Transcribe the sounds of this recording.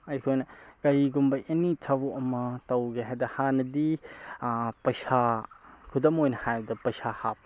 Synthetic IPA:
ɐjkʰojnɐkɐɾiɡumbɐʔinitʰɐboʔɐmɐtɐwɡeɦedɐhanɐdi | pɐjsakʰudɐmojnɐhajbdɐpɐjsahap̚

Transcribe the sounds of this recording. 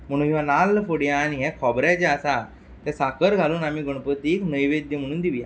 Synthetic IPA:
m̤əɽ̃uːnɦiʋanalfoɽjãːñiɦɛ̃kʰɔbɾat͡ɕɛəsa | t̪ɛ̃sakʰəɾɡʱaluːnamiːɡəɽ̃pət̪iːknəjʋed̪jəm̤əɽ̃uːnd̪iʋja

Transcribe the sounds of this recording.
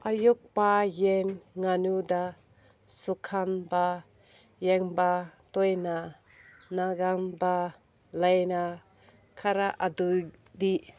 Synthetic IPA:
ʔajuk̚pajenŋanud̪a | sukʰanba | jɛŋbat̪ɔjna | naɡamba | lajna | kʰaɾaʔad̪uj | d̪i

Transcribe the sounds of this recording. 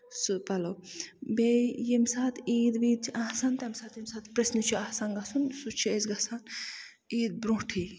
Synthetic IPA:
sɨpɐlobejimsaːt̪iːd̪ʋiːd̪̚t͡ʃʰʔasɐnt̪ɐmsaːt̪jimsaːt̪pɾesnit͡ʃʰiasɐnɡɐsunsut͡ʃʰiezɡɐsan | iːd̪̚bɾũɦʈʰi

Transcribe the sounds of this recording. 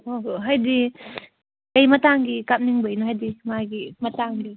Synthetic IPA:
oɦɦajdi | kəjmataŋɡikap̚niŋbəjnɔɦajdimaɡimɐtaŋɡi

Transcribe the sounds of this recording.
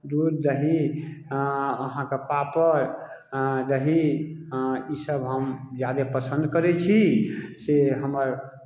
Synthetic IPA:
d̪uɾd͡ʒəɦi | əɦãkepapəɾ | d͡ʒəɦi | isəbɦəmd͡ʒjad̪epəsə̃nd̪kəɾɛt͡ʃʰiseɦəməɾ

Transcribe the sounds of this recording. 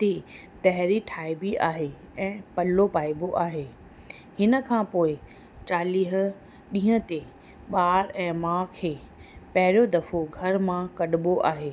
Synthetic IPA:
t̪e | t̪ɐɦɪɾiʈʰaːɪbiʔaːɦe | ɛ̃ːpɐlːopaːiboʔaːɦeː | hɪnə̆kʰãpoːɪ | t͡ɕaːliːɦʊ̆ | ɗĩːɦə̃t̪e | ɓaːɾɛ̃ːmãːkʰeː | pɐɦɪɾjod̪ɐfoɡʱɐɾmãkɐɗɪboʔaːɦeː

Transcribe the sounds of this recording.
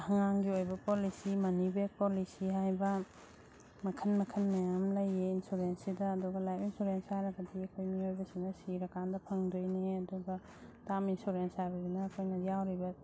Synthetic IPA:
hɐŋaŋɡiojbɐpolisimɐnibek̚polisiɦajbɐ | mɐkʰɐnmɐkʰɐnmɐjamlɐjeinsuɾensidɐːduɡɐlajpinsuɾenshajɾɐɡɐdiɐkʰojmiojbɐsinɐsiɾɐkandɐpʰɐŋdojneɐduɡɐ | taminsuɾensajɾɐɾinɐːkʰojnɐjawɾibɐ

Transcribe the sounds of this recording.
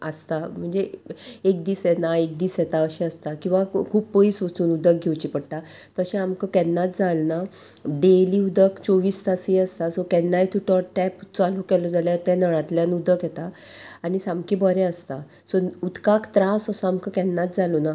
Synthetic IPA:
əst̪am̤əɳd͡zeek̚d̪iːsjɛnaek̚d̪iːsjɛt̪aəɕɛəst̪akĩw̃ʋakʰuːpːəiːsʋət̪uːnud̪ək̚ɡʱewt͡ɕipəɽt̪at̪əɕɛ̃amkəkɛnːat̪̚d͡zalna | ɖeliːud̪əkt͡sɔʋiːst̪asiəst̪asɔkɛnːajt̪ʰuʈɔʈʈɛpt͡salukɛlɔd͡zaljat̪ɛ̃nəɭãt̪ljanud̪əkjɛt̪aaɽ̃isãmkibəɾɛ̃əst̪a | sɔud̪kakt̪ɾasəsɔamkəkɛnːat̪d͡zalɔna

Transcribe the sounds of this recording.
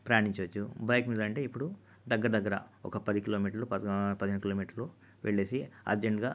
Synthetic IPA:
pɾɐjaːniɲt͡ʃɐʋɐt͡ʃːubɐjkmiːd̪ɐːɳʈe̞ːipːuɽu | d̪ɐɡːɐɾɐd̪ɐɡːɐɾɐ̰ɔ̰kɐpɐd̪ikilo̞ːmiːʈɐɾlupɐpɐd̪iɦenɐkiloːmiːʈɐɾlu | ʋʔeɭːe̞ːsiɐ̰ɾd͡ʒeɳʈɡaː

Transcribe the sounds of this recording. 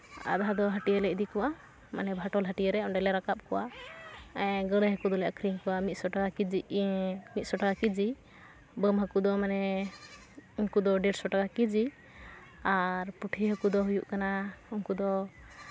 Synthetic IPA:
a̰d̪ad̪ɔɦəʈijəlɛc̚ʔ̚d̪ikɔwa | ma̰nɛbʱaʈɔlɦəʈiəɾɛɔɖɛlɛɾakap̚kɔwa | ɡəɽɛɦəkud̪ɔlɛʔakɾiŋkɔwamit̪̚ˀsɔʈakakid͡ʒi | mit̪̚sɔʈakakid͡ʒi | bəmɦəkud̪ɔmanɛ | uŋkud̪ɔɖɛɾsɔʈakakid͡ʒi | aɾpuʈʰiɦəkud̪ɔɦujuʔkanauŋkud̪ɔ

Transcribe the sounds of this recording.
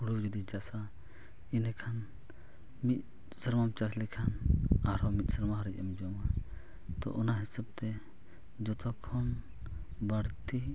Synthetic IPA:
uɽud͡ʒud̪id͡ʒasa | inɛkʰan | mit̪̚ | səɾmamt͡ʃaslɛkʰanaɾɔmit̪̚ˀsəɾmaɦaɾic̚ˀamd͡ʒɔma | t̪ɔ̰ʔɔnaɦisab̚t̪ɛ | d͡ʒɔt̪ɔkʰɔn | baɽt̪i

